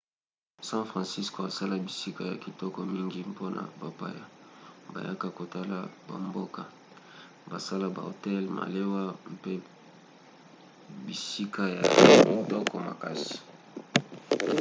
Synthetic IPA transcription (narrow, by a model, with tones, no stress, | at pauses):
sã˦fʁɑ̃˨si˦sko˨a˨sa˦la˦bi˨si˦ka˨ja˨ki˨tɔ˦kɔ˨mi˦ŋɡi˦po˦na̰˨ba˨pa̰˦ja˨ba̰˨ja˦ka˦ko˨ta˦la˦ba̰˨mbo˦ka˨ | ba˨sa˦la˦ba̰˨o˨tɛ˦lma̰˨le˦wa˦mpe˦ | bi˨si˦ka˦ja̰˨mi˨tɔ˦kʰɔ˨ma̰˨ka˦si̥˨